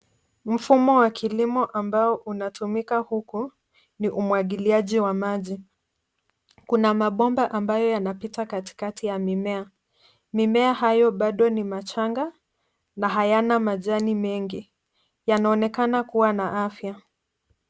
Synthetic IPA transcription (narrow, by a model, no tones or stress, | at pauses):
m̩fumɔwakʰilimɔʔambaɔʔunatumikahuku | niʔumwaɠiliaʄiwamaʄi | kunamaɓɔmbaʔambajɔjanapitakati̥katʰijamimɛa | mimɛaɦajɔɓaɗɔnimat͡ʃaŋɡa | naɦajanamaʄanimɛŋɡi | janaɔnɛkanakuwanaʔafja